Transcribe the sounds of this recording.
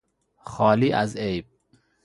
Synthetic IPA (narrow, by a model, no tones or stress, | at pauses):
xɒːliːʔæzejb̚